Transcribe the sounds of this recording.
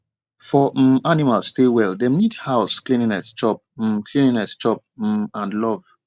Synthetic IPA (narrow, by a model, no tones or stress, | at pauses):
fɔm̩animalsːtewɛldɛ̃mnidhaʊsklĩninɛst͡ʃɔp̩̚kʰlĩnĩnɛst͡ʃɔp̚m̩ãnlɔv̥